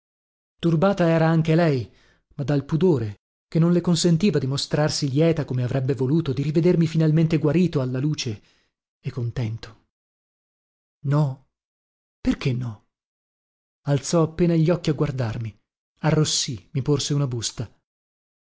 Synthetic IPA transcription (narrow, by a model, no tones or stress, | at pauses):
t̪urbaːt̪aɛːɾaaŋk̟elɛj | mad̪alpud̪oːɾe | kenːõnlekonsent̪iːvad̪imost̪ɾarsiljɛːt̪akomeavɾʔɛbːevoluːt̪od̪iɾived̪ermifinalment̪eɡwaɾiːt̪oalːaluːt͡ʃe | ekːont̪ɛnt̪o̥ | nɔ | perkenːɔ | alt̪sɔapːeːnaʎːɔkːiaɡward̪armi | arːosːimiporseunabust̪a